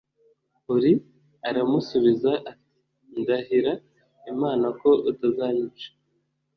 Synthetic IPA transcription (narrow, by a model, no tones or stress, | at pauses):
uɾi | aɾamusuβizaʔːti̥ | ndaɦiɾa | imaːnako̞ʔutazaɲit͡ʃe̥